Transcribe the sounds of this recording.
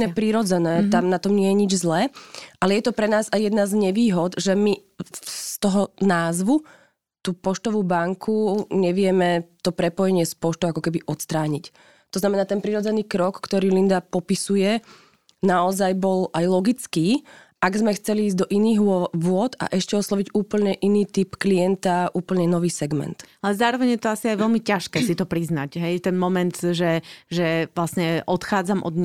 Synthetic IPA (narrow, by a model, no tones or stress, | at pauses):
ɛpɾiɾɔd͡zɛnɛːt̪amnat̪ɔmɲɪɛjɛɲid͡ʒzlɛʔalɛjɛt̪ɔpɾɛnaːzajjɛd̪nazɲɛʋiːɦɔd̪ʒɛmi | st̪ɔɦɔnaːzʋu | t̪uːpɔʃt̪ɔʋuːbaŋkʰuɲɛʋɪɛmɛt̪ɔpɾɛpɔjɛɲɪɛspɔʃt̪ɔʊakɔkɛbiʔɔt̪st̪ɾaːɲic | t̪ɔznamɛnaːt̪ɛnpɾiɾɔd͡zɛniːkɾɔkːt̪ɔɾiːlind̪apɔpisujɛ | naɔzajbɔlajlɔɡit͡skiː | ʔaɡzmɛxt͡sɛliːzd̪ɔʔiniːɣʋʊɔt̪a̰ʔɛʃcɛɔslˠɔʋiɟuːpl̩ɲɛʔiniːt̪ipkliɛnt̪aʔuːpl̩ɲɛnɔʋiːsɛɡmɛ̰nt̪alɛzaːɾɔʋɛɲjɛt̪ɔasiajʋɛlmicaʃkɛːsit̪ɔpɾiznaɟɦɛjt̪ɛnmɔmɛnd̪ʒɛʒɛʋlasɲɛʔɔt̪xaːd͡zamʔɔ̰d̪ɲ